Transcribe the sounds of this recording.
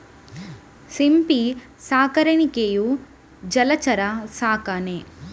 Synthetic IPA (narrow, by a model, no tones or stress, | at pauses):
simpi | saːkɐɾɐɳikeju | d͡ʒɐlɐt͡ʃɐɾɐsaːkaːne